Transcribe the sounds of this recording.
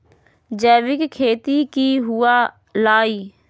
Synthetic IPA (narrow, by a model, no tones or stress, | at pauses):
d͡ʒɛːʋɪkkʰːeːt̪iːkiːɦʊaː | laːiː